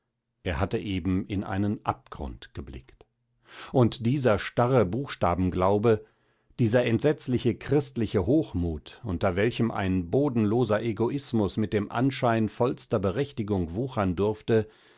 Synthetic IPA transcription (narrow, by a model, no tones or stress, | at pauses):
ʔeːɐhatəʔeːbm̩ɪnʔa̰ɪnənʔa̰p̚ɡ̥ʁʊ̰ntɡ̥əblɪ̰kt | ʔʊntd̥iːzɐʃtaʁəbuːxʃta̰ːbm̩ɡlaʊbə | d̥iːzɐʔɛntz̥ɛt͡slɪçəkʁ̥ɪstlɪçəɦoːxmuːtʔʊntɐvɛlçəmʔa̰ɪnboːdn̩loːzɐʔeɡoʔɪsmʊsmɪt̚d̥eːmʔa̰nʃaɪnfɔlstɐbəʁɛçtɪɡʊŋvuːxɐndʊɐftə